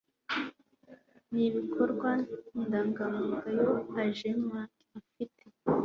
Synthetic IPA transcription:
niβikʰoɾɡwandaŋɡamuɡajoaʒemwakafite

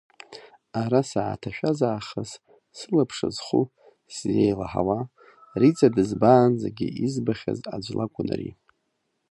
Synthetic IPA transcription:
aɾasaːtʰaʃᶣazaːχəz | sɨlapʰʂɨzχu | szejlaħa̰wa | rit͡sʼadɨzbaːnd͡zaɡʲiizbaχʲa̰zad͡ʒʷlʔakʷʼʊnrḭ

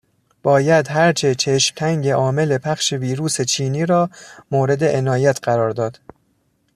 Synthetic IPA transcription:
b̥ɒːjæd̪ɦæɾt͡ʃʰe̞t͡ʃʰeʃcʲʰæŋɟe̞ʔɒːme̞le̞pʰæχʃeviːɾuːse̞t͡ʃʰiːniːɾɒːmoːɾe̞d̪e̞ʔenɒːjæt̪ʰɢæɾɒːɾd̪ɒːd̪̥

